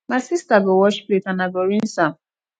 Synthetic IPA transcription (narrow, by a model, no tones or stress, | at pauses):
masistaɡowɔʃpletanaɡoɾin̩sa